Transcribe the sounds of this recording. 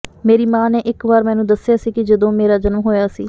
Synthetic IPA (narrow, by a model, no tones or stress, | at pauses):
meːɾiːmãːneːʔɪkʋaːɾmɛ̃ːnũːd̪əsːɪjaːsiːkɪd͡ʒəd̪õːmeːɾaːd͡ʒənmɦoːjaːsḭː